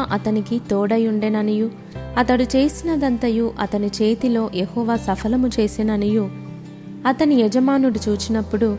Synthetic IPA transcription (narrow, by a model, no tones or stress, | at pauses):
ʔɐt̪ɐnikit̪oːɽɐjuɳɖeːnɐniju | ɐt̪ɐɽut͡ʃe̞ːsinɐd̪ɐnt̪ɐjuʔɐt̪ɐnit͡ʃe̞ːt̪ilo̞ːjehɔːʋaːsɐpʰɐlɐmut͡ʃe̞ːsenɐniju | ɐt̪ɐniɛd͡ʒɐmaːnuɽut͡ʃuːt͡ʃinɐpːuɽu